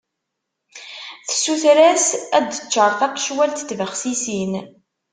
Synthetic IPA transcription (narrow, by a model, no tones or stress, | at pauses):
θə̥sːuθɾæsæd̪t͡ʃːəɾˤθɑqːʃwælt̪t̪ːvəχsisin